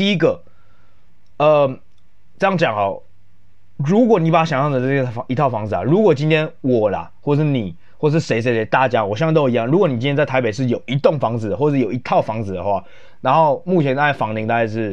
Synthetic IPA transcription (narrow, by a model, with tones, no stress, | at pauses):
t̪i˥˧i˥ɡə˨ | ə˧ | ʈ͡ʂɤ˥˧jɑ˥˩ŋt͡ɕjɑ˨˩ŋxɔ˨˩ | ɻu˧˥k̬wɔ˨˩˦ni˧˥pa˨˩a˦˩ɕjɑ˨˩ŋɕjɑ˥˩ŋd̪ə˩˥˧i˧˥t̪ʰɑ˥˩ʊfɑ˧˥ŋd͡zɹ̩˨˩a̰˨˩ɻu˧˥kwɔ˨˩t͡ɕi˥nt̪ʰjɛ˥nwɔ˨˩lɐ̰˨wɔ˥˩ʂ̬ɻ̩˥˩ni˨˩ | xwə˩ʂ̬ɻ̩˥˩ʂe˧ɪʂ̬e˧˥ɪe˧t̪a˥˨t͡ɕja˦wɔ˨˩ɕt̪o˥˧˨jɑ˥˩ŋɻu˧˥kwɔ˧˦ni˨˩t͡ɕi˦nʰɛ˥t͡sa˥˩ɪa˧˥ɪpe˨˩ɪʂɻ̩˥˩jo˨˩ʊʔi˧˥t̪ʊ˥˨˩ŋfɑ˧˥ŋd͡zɹ̩˨˩d̪ə˩wɔ˥˧ʂ̩˥˩jo˨˩ʊi˧˥t̪ʰɑ˥˩ʊfɑ˥ŋd͡zɹ̩˨˩d̪ə̰˩xwa˥˩ | na˧˦nxo˥˧ʊmu˥˩t͡ɕʰjɛ˧˥nt̪a˥˧˩a˥˩fɑ˧˥ŋt̪i˧˥ŋt̪a˥˧ka˧ɪʂɻ̩˥˩